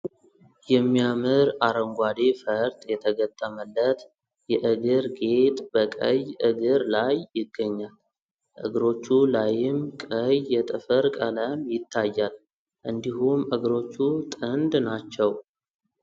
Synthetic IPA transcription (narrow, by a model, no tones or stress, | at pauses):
jɛmːijamɨɾaɾəŋɡʷad̪efəɾt̪ʼjɛt̪ʰəɡət̪ʼːəməlːət̪ | jɛʔɨɡɨɾɡe̞t̪ʼbəkʼəjʔɨɡɨɾlajːɪɡːəɲːal | ʔɨɡɾo̞t͡ʃːulajɪmkʼəjːɛt̪ʼɨfəɾkʼələmjɪt̪ʰːajːal | ʔɨnd̪ihumʔɨɡɾo̞t͡ʃːut̪ʼɨnd̪nat͡ʃːɛw